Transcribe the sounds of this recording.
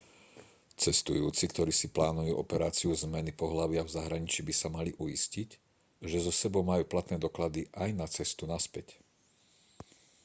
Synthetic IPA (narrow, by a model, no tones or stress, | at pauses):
t͡sɛst̪ujuːt͡sikt̪ɔɾiːsiplaːnujuːʔɔpɛɾaːt͡siuzmɛnipɔɦlaʋɪavzaɦɾaɲit͡ʃibisamaliʔujiscic | ʒɛzɔsɛbɔʊmajuːplat̪nɛːd̪ɔklad̪iʔajnat͡sɛst̪unaspɛc